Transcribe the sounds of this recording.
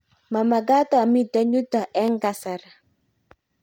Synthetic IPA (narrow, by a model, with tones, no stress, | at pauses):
ma˨ma˨ɡa˦tɔ˦˨mi˦da˦ɲu˦tɔ˨ʔɛ˦ŋɡa˨sa˨ɾ